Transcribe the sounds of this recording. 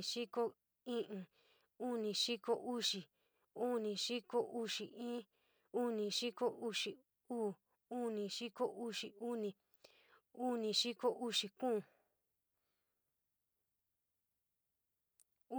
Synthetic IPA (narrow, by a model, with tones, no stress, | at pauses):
ʂi˦ko˦ | ĩ˦ʔĩ˧ | u˦nĩ˧ʂi˦ko˧ʔu˦ʂi˨ | u˦nĩ˧ʂi˦ko˦ʔu˦ʂi˨ĩː˦ | u˦nĩ˧ʃi˦ko˦ʔu˧ʂi˨ | uː˦˨ | u˦nĩ˧ʂi˦ko˦ʔu˦ʂi˨u˦nĩ˧ | u˦nĩ˧ʂi˦ko˦ʔu˦ʂi˧kũː˦˨˦